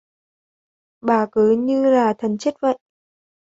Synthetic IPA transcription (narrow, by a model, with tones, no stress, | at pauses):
ɓaː˨˩kɨ˨˦ɲɨ˧laː˨˩t̪ʰə˨˩nt͡ɕə˦˥t̚və̰˧˨jʔ